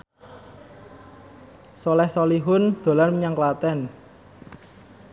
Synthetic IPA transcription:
sɔlɛhsɔliɦʊnd̪̥o̤larməɲaŋklat̪ɛn

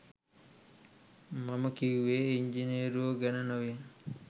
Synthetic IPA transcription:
maməkiʋeːiɲd͡ʒineːɾuoɡænənoʋen

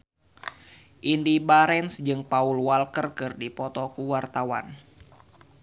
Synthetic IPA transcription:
ʔindibaɾɛnsd͡ʒɨŋpaulwalkərkɨrdipɔt̪ɔkuwart̪awa̰n

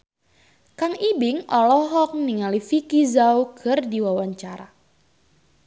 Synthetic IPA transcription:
kaŋibɪŋɔlɔɦɔk̚niŋalifikizawkʰɨrdiwawaɲt͡ʃaɾa̰

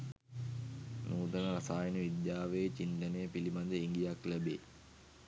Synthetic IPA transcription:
nuːt̪ɐnəɾasaːjənəʋid̪jaːʋejt͡ʃint̪ɐnejːpilimand̪eiŋɡijaklæbeː

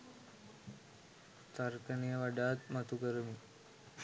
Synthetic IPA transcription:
t̪əɾkənijəʋəɖat̪mət̪ukəɾmi

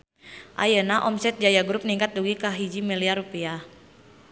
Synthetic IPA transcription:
ʔa̰jənaʔɔmsɛt̪̚d͡ʒajaɡɾup̚niŋkat̪̚duɡikaɦid͡ʒimiliarupia

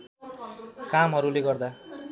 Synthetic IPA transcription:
kamɦʌɾuleɡʌrd̪a

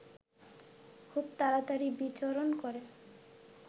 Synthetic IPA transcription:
kʰubt̪aɾat̪aɾibit͡ɕoɾonkɔɾe

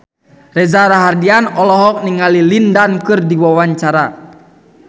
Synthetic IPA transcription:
rɛzaɾaɦardianɔlɔɦɔk̚niŋalilindankɨrdiwawaɲt͡ʃaɾa

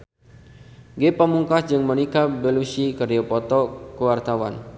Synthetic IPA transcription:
ɡepəmuŋkasd͡ʒɨŋmənikabəlusikərdiapɔt̪ɔkəwart̪awa̰n

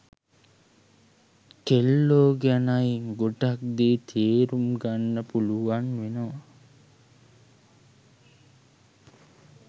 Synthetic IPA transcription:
kelːoːɡænajiŋɡoʈak̚d̪eːt̪ʰeːɾumɡanːəpuluʋanʋenoʋa

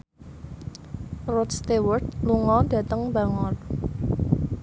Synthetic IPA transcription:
rɔt̪st̪ewərd̪̚luŋɔd̥ä̤t̪əŋbaŋɔr

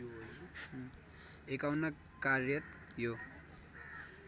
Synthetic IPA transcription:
ekawnʌ | karjʌt̪̚ | jo

